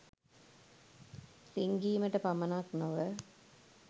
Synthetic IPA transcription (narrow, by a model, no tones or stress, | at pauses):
liŋɡiːməʈəpamɐnaknoʋə